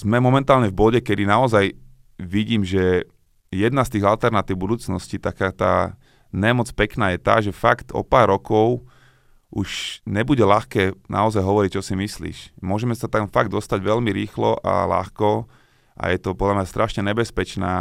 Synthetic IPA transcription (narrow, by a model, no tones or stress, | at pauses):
z̥mɛmɔmɛnt̪aːlɲɛvbɔɟɛkɛd̪inaɔzaj | ʋiɟiːmʒɛ | jɛd̪nast̪iːɣalt̪ɛɾnat̪iːʊbud̪uːt͡snɔscit̪akaːt̪a̰ː | ɲɛmɔt͡spɛknaːjɛt̪a̰ːʒɛfakt̪ɔ̰paːɾɾːɔkɔʊ | ʔuʃɲɛbuɟɛlaxkɛːnʔa̰ɔzajɦɔʋɔɾic̚t͡ʃɔsimislḭːʃmʊɔʒɛmɛsat̪amfaɡd̪ɔst̪aɟʋɛlmiɾiːxlɔʔa̰la̰xkɔ | ʔa̰jɛt̪ɔpɔd̪lamɲast̪ɾʔaʃɲɛɲɛbɛspɛt͡ʃnaː